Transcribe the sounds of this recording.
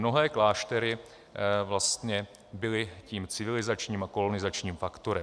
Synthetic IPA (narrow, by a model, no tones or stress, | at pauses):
no̞ɦɛːklaːʃt̪ɛɾɪ | vlast̪ɲɛ | bɪlɪciːmt͡sɪvɪlɪzat͡ʃɲiːmako̞lo̞nɪzat͡ʃɲiːmfakt̪oɾɛ